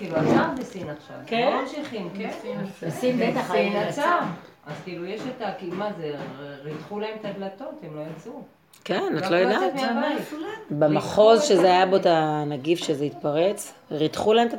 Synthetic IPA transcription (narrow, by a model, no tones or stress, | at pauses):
kiːluatambesinaχʃa̰vkemamʃiχimkenbesinbet̪aχinat͡sa | azkiːlujeʃet̪akimazeʁit̪χulaemt̪ad̪lat̪o̞t̪emlo̞jat͡su | kenat̪lo̞jodamavabemaχo̞zʃezeajabot̪anaɡifʃezeit̪̚paʁet͡sʁitχulaemt̪a